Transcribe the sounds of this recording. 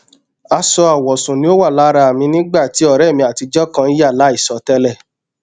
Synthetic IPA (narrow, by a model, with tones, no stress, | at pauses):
a˧sɔ˧a˨wɔ˨sũ˨nĩ˦o˦wa˦˨la˦ɾa˧a˨mĩ˧nĩ˦ɡ͡ba˦˨ti˨˦ɔ˦˨ɾɛ˦˨mĩ˧˦a˨ti˧d͡ʒɔ˦kã˧˦i˦ja˦˨la˨˦i˦˨sɔ˨tɛ˧lɛ˦˨